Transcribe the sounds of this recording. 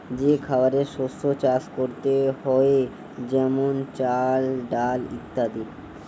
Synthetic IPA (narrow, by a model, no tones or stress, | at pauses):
d͡ʑekʰabaɾeɾʃost̪ʰot͡ɕaʃkoɾt̪ehɔe | d͡ʑɛmont͡ɕalɖalit̪ːad̪iɾ